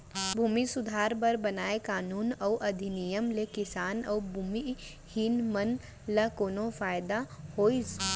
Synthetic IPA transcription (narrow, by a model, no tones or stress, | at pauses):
bʱuːmisʊd̪ʱaːɾbɐɾbɐnaːekaːnuːnɔːʔɐd̪ʱinijəmlekɪsaːnɔːbʱuːmi | hinmən | ləkoːnõfaːjd̪ahoːis